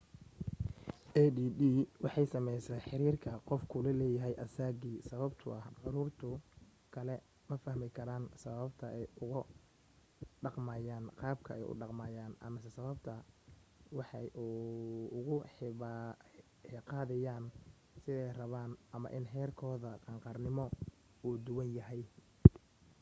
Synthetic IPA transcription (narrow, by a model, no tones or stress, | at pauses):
ʔɛdiːdiːwɑħɑjsɐmɛjsɛːħɪɾiːrkʰɐqɔfkʰʊlɐlɛːjɐɦɛjʔɐsaːɡiːsɐβɐbt̪ʰʊʔɐhʕʊɾʊrt̪ʰʊ | kʰɐlɛ | mɐfɐhmɪkʰɐɾaːnsɐβɐbt̪ʰɐʔɛjʊɣʊ | ɖɑqmaːjaːnqɑːbkʰɐɛjʊ̰ɖɑqmaːjaːnɐ̰mɐsɛsɐβɐbt̪ʰɐ | wɑħɑjuːʊɣʊħ | ħɪqɑːðɛjaːn | sɪðɛjrɐβaːnʔɐmɐ̰ʔɪnɦɛːrkʰɔːðɐqɑːŋqɑːrnɪmɔ | uːd̪ʊwɐnjɐɦɛj